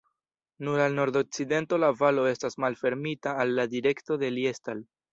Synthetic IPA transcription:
nuɾalno̞ɾd̪o̞k̚t͡side̞nto̞lavalo̞e̞stasmalfe̞ɾmitaːlːadiɾe̞kto̞de̞lie̞stal

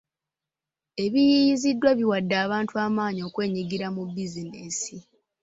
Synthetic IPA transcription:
e̞βijijizidːwaβiwadːaːβaːntuaːmaːɲio̞ːkwe̞ːɲiɡiɾamubizinesi

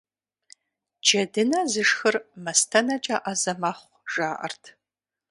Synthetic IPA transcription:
d͡ʒɐdɨnɐzɨʂxɨrmɐstʰɐnɐt͡ʃʼɐʔazɐmɐχʷʒ̥aːʔɐ̰rtʰ

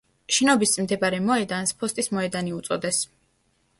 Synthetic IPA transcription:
ʃɛnɔbismd̪ɛbaɾɛmɔɛd̪anspʰɔst̪ʼismɔɛd̪aniut̪sʼɔd̪ɛs

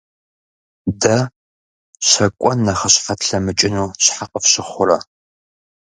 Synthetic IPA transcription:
dɐ | ɕɐkʷʼɔnːɐχɐɕfɐtʰɬɐmɨt͡ʃʼɪnuːɕħaqʼəfɕɪχʷʊɾɐ

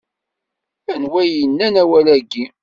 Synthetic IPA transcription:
ænwæjənːænæwælæɡːi

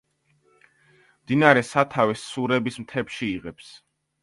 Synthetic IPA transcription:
md̪inaɾɛsat̪ʰavɛsːuɾɛbismt̪ʰɛpʃiiʁɛps

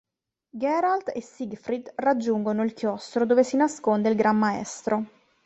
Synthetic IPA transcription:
ɡɛɾalt̪esiɡfɾid̪rad͡ʒːuŋɡonoilkjɔst̪ɾod̪oːvesinaskond̪eilɡɾamːaɛ̰st̪ɾo

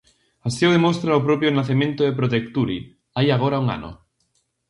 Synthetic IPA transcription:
asjowðemost̪ɾaopɾopjonaθemẽnt̪oðepɾot̪ekt̪uɾḭ | ajaɣ̞oɾauŋa̰no̰

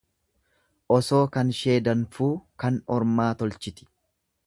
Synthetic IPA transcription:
ʔɔso̞ːkɐnʃe̞ːd̪ɐnfuːkɐnɔɾmaːt̪ɔlt͡ʃɪt̪ɪ̥

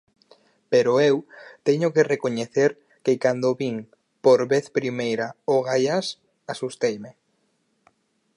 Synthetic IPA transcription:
peɾoewt̪ɛɲokerekoɲeθeɾ | kekand̪oβiŋ | poɾβeθpɾimejɾaoɣaʎas | asust̪ejme

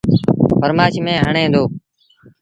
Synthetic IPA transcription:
fəɾmaːʃimẽːɦəɳẽːnd̪oː

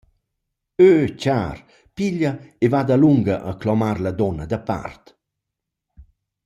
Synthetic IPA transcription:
øːt͡ʃaːɾ | piʎəevad̪aluŋɡəʔəklɔmaɾlad̪ɔnəd̪əpa̰rt̪

